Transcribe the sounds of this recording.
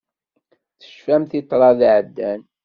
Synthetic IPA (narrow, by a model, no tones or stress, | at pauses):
θə̥ʃfæmθɪt̪ˤːɾˤɑðʕəd̪ːæn